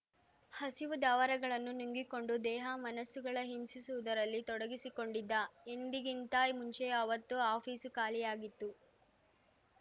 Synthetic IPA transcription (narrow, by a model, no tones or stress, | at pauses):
hɐsiʋud̪aːʋɐɾɐɡɐɭɐnːunuŋɡiko̞ɳɖud̪ɛːɦɐmɐnɐsːuɡɐɭɐɦimsisuʋud̪ɐɾɐlːit̪ɔɽɐɡisiko̞ɳɖid̪ːɐend̪iɡint̪aimuɲt͡ʃeɐʋɐt̪ːuaːpʰiːsukaːlijaːɡit̪ːu